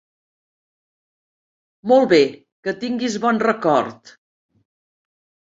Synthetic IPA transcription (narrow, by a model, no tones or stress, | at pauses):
mɔlˠβe | kət̪iŋɡizβɔnrəkɔɾt̪